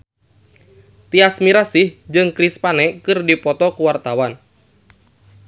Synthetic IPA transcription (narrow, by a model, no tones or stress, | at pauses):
t̪iasmiɾasɪhd͡ʒɨŋkɾispanɛkɨrdipɔt̪ɔkuwart̪awan